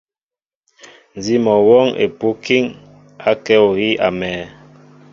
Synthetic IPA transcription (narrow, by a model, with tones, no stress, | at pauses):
n˨zi˦mɔ˨wɔ˦ŋḛ˨pu˦ki˦ŋ | a˦kɛ˦o˨ɣi˦ʔa̰˨mɛː˨